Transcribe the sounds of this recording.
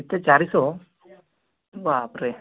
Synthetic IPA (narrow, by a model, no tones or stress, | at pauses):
it̪ːet͡ʃaɾiso | ʋapɾe